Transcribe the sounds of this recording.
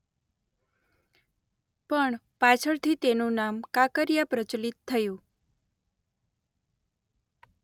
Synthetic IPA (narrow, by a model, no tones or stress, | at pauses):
pəɳ | pat͡ʃʰəɭt̪ʰit̪enũnamkakəɾjapɾət͡ʃlit̪t̪ʰːəjũ